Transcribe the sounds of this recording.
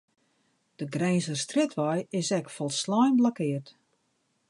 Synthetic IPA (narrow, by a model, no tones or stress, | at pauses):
d̥əɡrɛjnsərstrɪtʰʋɔjɪsɛkfɔlˠslɔjnblakɪərt